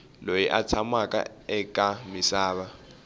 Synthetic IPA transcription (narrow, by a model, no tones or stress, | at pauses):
lojiʔa̰t͡sʰamakʼa̰ | ɛkʼamisaːβa